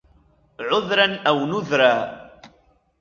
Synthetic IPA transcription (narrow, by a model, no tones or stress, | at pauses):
ʕʊðɾanæwnʊðɾa